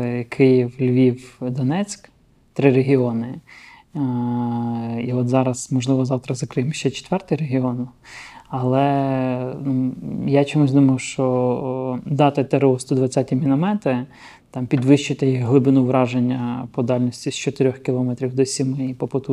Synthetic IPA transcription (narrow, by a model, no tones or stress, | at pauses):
kʰɪjiwlʲʋʲiwd̪ɔnɛt͡sʲk | t̪ɾɪɾeɦʲiɔnɪ | iɔt̪zɑɾɐsmɔʒlˠɪʋɔzɑwt̪ɾɐzɐkɾɪmʃt͡ʃɛt͡ʃe̥t̪ʋɛrt̪ɪjɾeɦʲiɔn | ɐlˠɛ | nujat͡ʃɔmusʲd̪umɐwʃt͡ʃɔ | d̪ɑt̪ɪt̪eɾeɔst̪ɔd̪ʋɐt͡sʲːatʲimʲinɐmɛt̪ɪ | t̪ɑmpʲid̪ʋɪʃt͡ʃɪt̪ɪjiɦlˠɪbɪnuʋɾɑʒenʲːɐpɔd̪ɑlʲnʲɔsʲtʲist͡ʃɔt̪ɪɾʲɔxkʲɪlˠɔmɛt̪ɾʲiwd̪ɔsʲimɪipɔpɔt̪u